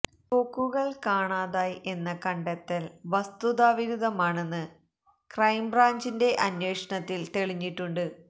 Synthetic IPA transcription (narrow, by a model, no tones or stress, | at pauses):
koːkːuɣɐɭkaːɳaːðaːje̞nːɐkɐɳɖɐt̪ːɐlʋɐst̪uðaːʋiɾuðɐmaːɳe̞nːɨ | krɐjmbraːɲd͡ʑinde̞ʔɐnjweːʂɐɳɐt̪ːilt̪eɭiɲːiʈːuɳɖɨ